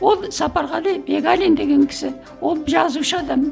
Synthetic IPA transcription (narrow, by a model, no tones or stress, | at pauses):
wo̞lˠsɑpɑɾʁɑlejbe̞ɡalʲind̪e̞ɡʲe̞ŋkʲʰɪ̥sɪ | wo̞lˠʒɑzuʃəɑd̪ɑm